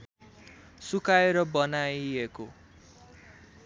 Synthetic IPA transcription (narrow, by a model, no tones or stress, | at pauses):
sukaeɾʌbʌnajeko